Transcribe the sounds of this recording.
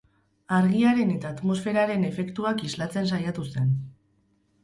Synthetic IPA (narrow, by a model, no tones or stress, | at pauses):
aɾɣ̞iaɾe̞ne̞t̪aːt̪mo̞sfe̞ɾaɾe̞ne̞fe̞kt̪uakizlat͡se̞nsajat̪use̞n